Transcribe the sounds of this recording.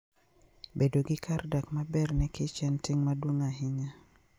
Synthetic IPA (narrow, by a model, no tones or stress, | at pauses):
bedoɡɪkardakmabɛrnɛkɪt͡ʃɛntɪŋmadwoŋaɦɪɲa